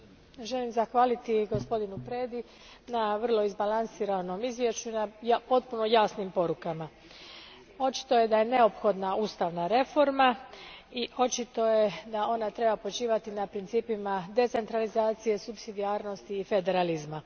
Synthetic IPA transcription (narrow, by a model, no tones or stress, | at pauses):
ʒe̞limzaxʋaːlit̪iɡo̞spo̞d̪inupɾe̞ːd̪i | naʋər̩lˠo̞izbalansiːɾano̞mizʋje̞ʃt͡ɕuinajpo̞t̪̚puno̞jaːsnimpo̞ɾukama | o̞t͡ʃi̥t̪o̞je̞d̪aje̞ne̞o̞pxo̞d̪nauːst̪aʋnaɾe̞fo̞ɾmaio̞t͡ʃit̪o̞je̞d̪ao̞nat̪ɾe̞bapo̞t͡ʃiːʋat̪inapɾint̪siːpimad̪e̞t̪se̞nt̪ɾalizaːt̪sije̞supsid̪iaːɾno̞st̪iːfe̞d̪e̞ɾalizma